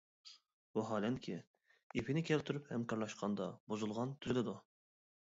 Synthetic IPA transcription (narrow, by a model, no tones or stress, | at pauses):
buɦɑːlɛnkʲʰɪ | epʰinɪkʲʰɛlt̪ʰyɾyphɛmkʰɑɾlˠɑʃqʰɑnd̪ɑbuzulˠʁɑnt̪ʰyɾɪd̪ɛd̪u